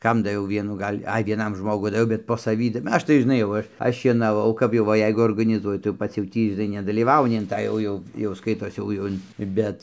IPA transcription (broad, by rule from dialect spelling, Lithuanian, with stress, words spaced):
ˈkɐm dɐˈʋʲɛʊ ˈʋʲiɛnuː ˈɡɐlʲ ˈɐɪ ʋʲiɛˈnɐm ˈʒmoːɡʊ dɐˈʋʲɛʊ bʲɛt poː sɐˈʋʲiː ˈɐʃ tɐɪ ʒʲɪˈnɐɪ jɛʊ ˈɐʃ ˈɐʃ ʃʲiɛnɐˈʋɐʊ kɐp jɛʊ ˈʋɐ ˈjɛɪɡʊ oːrɡɐnʲɪˈzuɔjʊ tɐɪ jɛʊ ˈpɐts jɛʊ ˈtʲiː ʒʲɪˈnɐɪ nʲɛdɐlʲiːˈʋɐʊnʲɪ ɪn ˈtɑː jɛʊ ˈjɛʊ jɛʊ ˈskɐɪtoːs ˈjɛʊ jɛʊ ˈɪn ˈbʲɛt